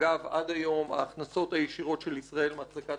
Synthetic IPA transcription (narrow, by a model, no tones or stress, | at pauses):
avad̪ajo̞ma̰ːχnaso̞t̪hajeʃiʁo̞tʃelisʁae̞lmat͡sleka